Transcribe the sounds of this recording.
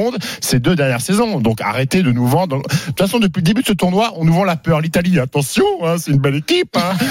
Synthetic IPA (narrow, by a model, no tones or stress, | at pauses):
ɔ̃d̪sed̪ød̪ɛʁnjɛʁsezɔ̃d̪ɔ̃ka̰ʁet̪ed̪ənuvɑ̃d̪̃ut̪fasɔ̃d̪əp̬ɥiləd̪ebyd̪əsət̪uʁnwaʔɔ̃nuvɑ̃lapœʁlit̪aliat̪ɑ̃sjɔ̃ɛ̃sɛt̪ynbɛlekʲipɛ̃